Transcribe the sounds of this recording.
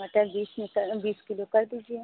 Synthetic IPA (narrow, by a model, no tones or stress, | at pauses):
ɐʈəɾbiːsmekɐbiːskɪlokɐɾd̪iːd͡ʒiẽ